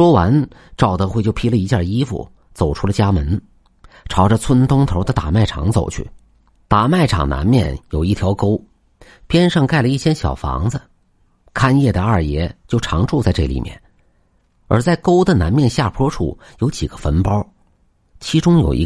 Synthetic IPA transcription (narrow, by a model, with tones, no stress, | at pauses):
ʂwɔ˥wa˧˥nʈ͡ʂɑ˥˩ʊt̪ɤ˧˥xwe˥˧ɪt͡ɕjo˥˩ʊpʰi˥lə˨i˧˥t͡ɕja˥˩i˥fṵ˨˩ | t͡so˨˩ʊʈ͡ʂʰu˥lə˨t͡ɕja˥mə˧˥n | ʈ͡ʂʰɑ˧˥ʊʈ͡ʂə˧t͡sʰwə˥nt̪ʊ˥ŋt̪ʰo˧˥ʊd̪ə˧t̪a˨˩ma˥˩ɪʈ͡ʂʰɑ̰˧˥ŋt͡so˨˩ʊt͡ɕʰy̰˥˩ | t̪a˨˩ma˥˩ɪʈ͡ʂʰɑ̰˨˩ŋna̰˧˥nmjɛ̰˥˩njo˨˩ʊi˥˩jɑ˧˥ʊko˥ʊ | pjɛ˥nʂɑ˥˧ŋka˥˩ɪlə˩i˥˩ɕʰjɛ˥nɕjɑ̰˨˩ʊfɑ̰˧˥ŋd͡zə˧ | kʰa˥njɛ˥˩d̪ə˩a˞˥˩jɛ̰˧˥t͡ɕjo˥˩ʊʈ͡ʂʰɑ̰˧˥ŋʈ͡ʂu˥˧t͡sa˥˧ɪʈ͡ʂɤ˥˩lḭ˨˩mjɛ̰˥˩n | ə̰˞˧˥t͡sa˥˩ɪko˥ʊd̪ə˨na˧˥nmjɛ˥˧nɕja˥˩pʰwɔ˥ʈ͡ʂʰṵ˥˩ | jo˧˥ʊt͡ɕi˨˩ɡ̥ə˦fə˧˥npɑ˥ʊ | t͡ɕʰi˧˥ʈ͡ʂʊ˥ŋjo̰˨˩ʊḭ˧˥